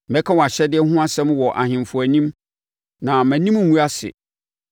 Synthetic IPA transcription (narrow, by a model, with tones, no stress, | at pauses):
mɛ̃˦kʰa˦wɔ˨a˨ɕɛ˦dɪ˦ɛ˦hʊ̃˦a˦sɛ̃˦mwɔ˨ʔa̰˨hɪ̃˨mfʊ˨æ˨nĩ˦m | nã˨mæ̃˨nĩ˦m̩˦˨ŋũ˦a˦sɪ̰˨